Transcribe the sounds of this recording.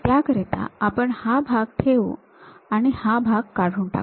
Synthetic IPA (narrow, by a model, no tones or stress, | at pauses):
k̪jakəɾɛt̪a̰apəɳhabʱaɡ̚ʈʰeʋo | aɽ̃ihabʱaɡkaɽ̤uːɳʈa̰k